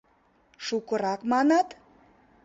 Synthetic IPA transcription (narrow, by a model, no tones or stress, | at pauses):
ʃukə̆ɾɑkmɑnɑt̪